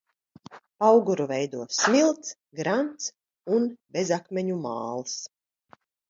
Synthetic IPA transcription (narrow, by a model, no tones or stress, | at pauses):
pawɡuɾuvɛjd̪uɔsmilˠt̪s | ɡɾant̪s | unbʲezakmʲeɲuma̰ːlˠs